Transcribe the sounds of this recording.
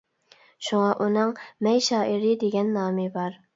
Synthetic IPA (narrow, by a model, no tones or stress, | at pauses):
ʃuŋɑʔunɨŋmɛjʃɑːʔɪɾɪd̪eɡʲɛnːɑːmɪbɑɾ